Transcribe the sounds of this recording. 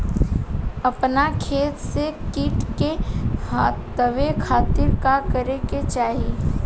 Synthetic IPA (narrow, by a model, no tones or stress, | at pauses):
ɐpnakʰeːt̪sekiʈkehaː | əʋekʰaːt̪ɪɾkakəɾeket͡ʃaːɦii